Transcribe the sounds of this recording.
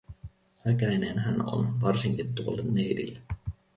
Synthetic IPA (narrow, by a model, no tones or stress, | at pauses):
ælkænæinenɦæno̞̰nʋɑrsiŋkint̪uolːenːejdḭlːe